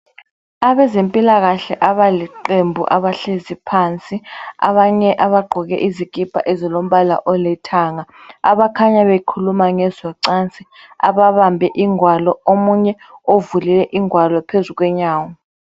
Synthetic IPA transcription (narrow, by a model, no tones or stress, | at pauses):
aβɛzempʼilaɣaɬɛʔaβaliǃembʱuʔaβaɬezipʰaːnt͡sʼia̰βaɲɛʔaβaɡ͡ǃʱɔɣɛ̰ʔizikʼipʰa̰ʔɛzilom̩βala̰ʔɔlɛtʰaːŋaaβakʰaɲaβekʰulumaŋɛzɔǀant͡sʼi | a̰βaβambʱɛʔiŋwalɔomuɲɛ | ovulilɛʔiŋwalɔpʰezuk̬wɛɲaːwɔ